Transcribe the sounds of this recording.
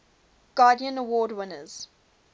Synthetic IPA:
ɡ̥ɑːdiə̃nəwɔːdwɪ̃nəz̥

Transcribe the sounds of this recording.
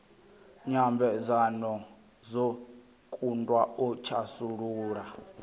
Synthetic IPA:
ɲambʱɛzanɔ | zo | kʼundʼwaɔt͡ʃʰasuɺuːɾa

